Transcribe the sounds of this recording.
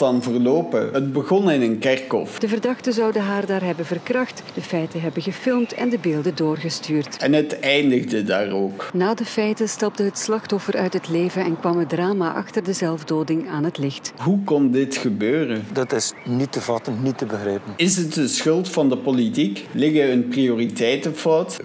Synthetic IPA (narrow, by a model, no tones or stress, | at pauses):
dɑnvərloːpəɦəd̚bəɣɔnɪnənkɛrkɔ̰fd̥əvərdɑxtəzɑwdəɦaːrdaːrɦɛbənvərkrɑxtd̥əfɛjtəɦɛbəɣəfɪlˠmtɛ̰ndəbeːlˠdədoːrɣəstyːrtɛnɦətɛjndəɣdəda̰ːroːknaːdəfɛjtənstɑb̚dəɦətslɑxtɔfəɾœɥtɦətleːvəɛnkʋɑmədraːmaːʔɑ̰xtərdəzɛlˠvdoːdɪŋaːnɦətlɪxtɦukɔndɪtxəbøːrəndɑtɪsnitəvɑtənnitːəbəxɾɛːpənɪzətəsxɵlˠtfɑndəpolitiklɪɣəənprioritɛjtəfɔwt